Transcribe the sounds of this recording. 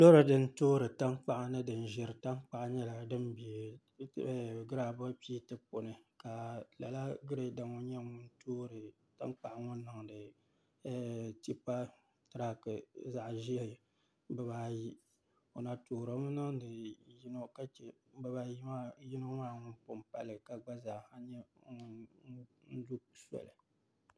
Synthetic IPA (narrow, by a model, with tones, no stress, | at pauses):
do˦ɾɨ˨dɨ˨n̩˦toː˦ɾɨ˨ta˦ŋk͡pa˦ʔa˨nɨ˦dɨ˨n˨ʒɪ˨ɾɨ˨ta˦ŋ˦k͡pa˨ʔɲɛ˦la˨dɨ˦mbi˨e˨˦˨ | ɡɨ˦ɾa˨ba˦pi˦tɨ˦po˨nɨ˨ka˨la˨la˦ɡɨ˦ɾɨ˦da˨ŋo˦ɲɛ˦ŋʊ˦n˦toː˦ɾɨ˨ | ta̰˦ŋk͡pa˨ʔŋʊ˦n˦nːɨ˨ŋdɨ˨˦ | ti˦pa˦ | tɾa˨kɨ˨za˨ʔʒi˦e˦˨ | bɨ˨baː˨˦ji˦ | o˨na˨toː˨ɾo˦m˦nɨ˦ŋdɨ˨ji˦no˦ka˦t͡ʃɛ˨ | bba˦i˦ma˦ji˦no˦maː˦ŋʊ˦n˦pʊ˨m˨pa˦lɨ˨ka˨ɡ͡ba˦za˨ha˦ɲɛ˦˨˦ | n̩˦du˦sɛ̰˨lɨ˨